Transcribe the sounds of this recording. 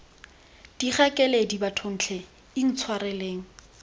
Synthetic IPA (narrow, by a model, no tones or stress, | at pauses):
d̥iχɛkʼɛledibatʰon̩t͡ɬʰɛ | in̩t͡sʰwarɛleːŋ̩